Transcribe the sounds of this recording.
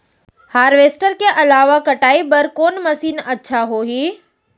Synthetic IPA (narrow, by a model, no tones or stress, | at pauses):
haːɾʋeːsʈəɾkeʔɐlaːʋakɐʈaːibɐɾkoːnmɐsiːnɐtːʃʰaɦoːɦiː